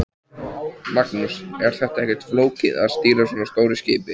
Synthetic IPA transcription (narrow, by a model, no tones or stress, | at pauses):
maknusɛɾ̥θɛht̪aɛhcɛt̪floːwcɪða̰ðst̪iːɾasɔːnast̪oːwɾɪscɪːpɪ